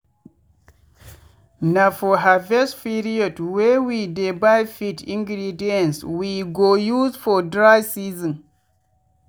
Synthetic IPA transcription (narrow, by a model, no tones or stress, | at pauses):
nafɔɦavɛspiɾiɔdwɛwidebajfitĩŋɡɾidiɛ̃nswiɡojuzfɔdɾasizɔ̃n